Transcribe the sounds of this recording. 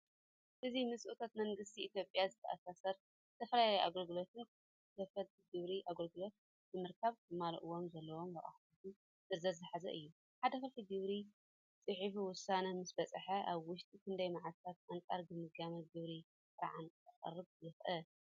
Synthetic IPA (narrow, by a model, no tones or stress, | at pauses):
ʔɨzimɨsʼɨʔut̪ʰat̪mɐŋɡɨst̪ʰiːt̪ʰjo̞pʼjazɨt̪ʰɐʔasasɐɾ | t̪ʰɐfɾajajʔa̰ɡɐlɡɨlo̞t̪ʰɨnkʰ | kʰɐfɐt̪ | ɡɨβɾiʔaɡɐlɡɨlo̞t̪̚ | bɨmɨɾkʰaβbɨmalɐ̰ʔuwo̞mzɐlːɐwo̞mbɐχʼa̰ħt̪ut̪u | zɨzɐzɨħazɐ̰ʔɨ̰jːu | ħad̪ɐxɐlfiɡɨβɾi | t͡sʼɨħifuwʊsanɐmɨsbɐt͡sʼɨħɐʔaβwʊʃt̪ʼikʰɨnd̪ɐjmaʕalt̪ʰat̪aŋt͡sʼaɾbɨmɨɡamɐt̪ɡɨβɾi | sɨɾaʕanɐχʼɐ̰rːɨβ̚jɪxʔɐl